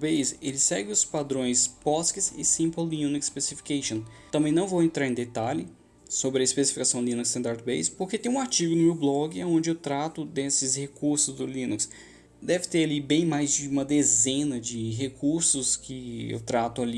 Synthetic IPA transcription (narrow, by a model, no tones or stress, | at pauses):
bejzelɪsɛɡɪʊspad̪ɾõj̃spɔskɪsɪsĩmpolːĩũnukspesifi̥kejʃõ | t̪ɐ̃mbẽj̃nɐ̃w̃vowẽnt̪ɾaɾẽd̪et̪alɪ | sobɾɪɐispesi̥fikasɐ̃w̃lĩnuksɐ̃nd̪aɾd̪bejspoɾket̪ẽj̃ũaɾt͡ʃiɡʊnʊmewblɔɡɪaõnd͡ʒɪewt̪ɾat̪ʊd̪esɪshekuɾsʊzd̪ʊlĩnuks | d̪ɛvɪt̪eɾalibẽj̃majzd͡ʒɪũmɐd̪ezẽnɐd͡ʒɪɦekʰuɾsʊskɪḛwt̪ɾat̪ʊali